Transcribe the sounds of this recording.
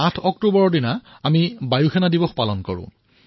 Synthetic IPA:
atʰɔktubɔɹɔdina | amibajuxʰɛnadibɔxpalɔnkɔ̰ɹʊ̰̃

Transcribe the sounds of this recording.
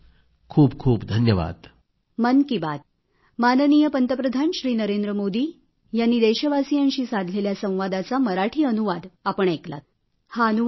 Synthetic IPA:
kʰuːbkʰuːpd̪ʱənjəʋa̰d̪ | mənkibad̪ | manənijəpənt̪əpɾəd̪ʱanɕɾiːnəɾend̪ɾəmod̪iː | janːiːd̪eɕəʋasijanɕiːsad̪ʱleljasə̃w̃ʋad̪at͡saməɾaʈʰiːənuʋad̪apəɳekla̰t̪ | haənu

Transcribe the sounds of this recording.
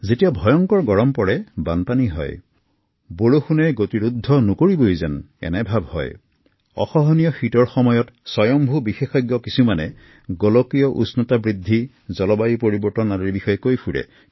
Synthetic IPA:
zetijabʱɔjɔŋkɔɹɡɔɹɔmpɔɹɛbanpaniɦɔ̰j | boɹoxunɛɡotiɹud̪ʱːɔnokoɹibojzɛn | ɛ̰nɛbʱabʱhɔ̰j | ɔ̰xɔɦɔnijɔxitɔɹxɔmɔjɔtsɔjɔmbʱubixexɔjɡjɔkisumanɛ | ɡɔlɔkijɔʔṵsnɔtabɹid̪ʱːi | zɔlɔbajipoɹibɔɹtɔnaɹiɹbixɔjɔkojfʰuɹɛ̰

